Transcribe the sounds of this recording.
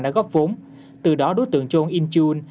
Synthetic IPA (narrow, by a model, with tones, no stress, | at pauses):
ɗa̰ː˧˥ɣɔ˦˥p̚vo˨˦n | t̪ɨ˨˩ɗɔ˨˦ɗo˨˦jt̪ɨ̰˧˨əŋt͡ɕo˧nʔi˧nt͡ɕu˧n